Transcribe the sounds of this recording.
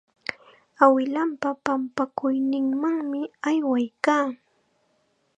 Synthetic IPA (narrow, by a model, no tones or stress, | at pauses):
awɪlampapampakʊjnɪŋmaŋmɪajwajkaː